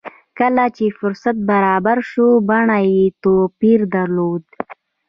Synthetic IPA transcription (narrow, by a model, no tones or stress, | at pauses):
kəlat͡ʃefʊɾsat̪̚baɾɑːbaɾʃobaɳajet̪opiɾd̪aɾlod̪